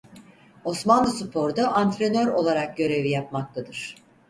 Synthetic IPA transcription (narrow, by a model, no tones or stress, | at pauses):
o̞smanlɯsupʰo̞ɾd̪aʔant̪ɾe̞nø̞ɾo̞lˠaɾak̚ɟø̞ɾe̞vijap̚mak̚t̪ʰad̪ɯɾ̥